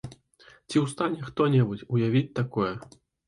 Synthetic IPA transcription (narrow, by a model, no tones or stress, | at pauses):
t͡sʲiwst̪anʲɛxt̪ɔnʲɛbut͡sʲujavʲit͡sʲt̪akɔjɛ